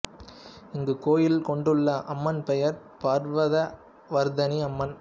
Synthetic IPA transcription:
ɪŋɡɯkoːjɪlkɔɳɖɯɭːɐʔɐmːɐnpɛjɐɾ | pɐːɾʋɐðɐ | ʋɐɾd̪ɐniɐmːɐn

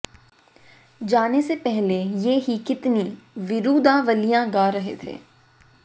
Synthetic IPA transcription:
d͡ʒaːnesepɛɦlejeɦikɪt̪niʋɪɾuːd̪ãʋəlijãɡaːɾɐɦḛt̪ʰḛː

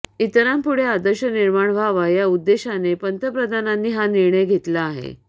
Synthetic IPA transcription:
it̪əɾampuɽ̤ead̪əɾɕəniɾmaɳbʱaʋajaud̪ːeɕanepənt̪əpɾəd̪ʱananːiːɦaniɾɳəjɡʱet̪laːɦḛ

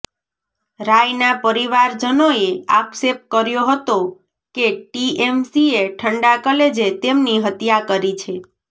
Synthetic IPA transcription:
ɾajnapəɾiʋaɾd͡ʒənoea̰ksep̚t̪̚kəɾjoɦət̪o | keʈiemsieʈʰəɳɖakəled͡ʒet̪emniɦət̪jakəɾit͡ʃʰe

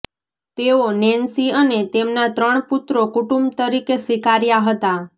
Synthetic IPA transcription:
t̪eonɛnsiənet̪emnat̪ɾəɳ̃put̪ɾokuʈũmbt̪əɾikesʋikaɾjaɦət̪a

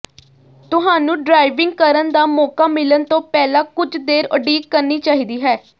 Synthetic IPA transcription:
t̪ʊɦaːnũːɖɾaːɪʋɪ̃ŋɡ̚kəɾənd̪aːmɔːkaːmɪlənt̪õːpɛːlãːkʊd͡ʒd̪eːɾəɖiːkəɾniːt͡ʃaːɦiːd̪iːɦɛː

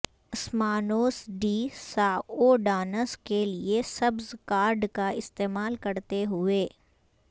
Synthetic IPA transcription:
ɐsmaːnoːsɖiːsaːoːɖaːnəskeliesɐbzkaːɾɖkaɪst̪eːmaːlkɐɾt̪eɦʊeː

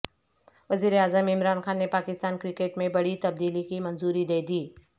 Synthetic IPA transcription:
ʋɐziːɾeaːzəmɪmɾaːnxaːnːepaːkɪst̪aːnkɾɪkeːʈmẽbɐɽit̪ɐb̚d̪iːlikimɐ̃nzuːɾid̪eːd̪iː

